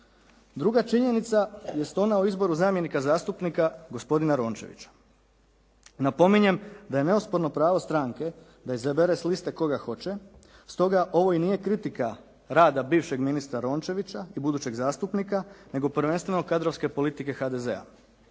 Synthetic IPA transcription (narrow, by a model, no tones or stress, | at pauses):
d̪ɾuɡat͡ʃiɲe̞nit̪saje̞st̪o̞naoizbo̞ɾuzaːmje̞nikazaːst̪upnikaɡospo̞d̪inaɾo̞ːnt͡ʃe̞̰ʋḭt͡ɕḁ | napo̞miɲe̞md̪aje̞ne̞ospo̞ɾno̞pɾaːʋo̞st̪ɾaŋke̞ | d̪aizebeɾeslist̪e̞ko̞ɡaxo̞t͡ɕe̞ | st̪o̞ɡaʔo̞ʋo̞iniːje̞kɾit̪ika | ɾaːd̪abiːʋʃe̞ɡminist̪ɾaɾo̞ːnt͡ʃe̞ʋit͡ɕaibud̪uːt͡ɕe̞ɡzaːst̪upnikane̞ɡo̞pɾ̩ʋe̞nst̪ʋe̞no̞kad̪ɾo̞ʋske̞po̞lit̪ike̞xad̪e̞ze̞̰a̰